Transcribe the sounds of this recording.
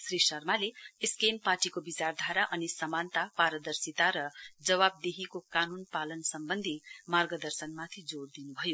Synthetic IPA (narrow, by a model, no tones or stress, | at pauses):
sɾisʌrmaleeskempaʈikobit͡sard̪ʱaɾaʔʌnisʌmant̪apaɾəd̪ʌrsit̪aɾʌd͡zʌβab̚d̪eɦikokanunpalʌnsʌmbʌnd̪ʱimarɡʌd̪ʌrsʌnmat̪ʰid͡zoɽd̪inubʱʌjo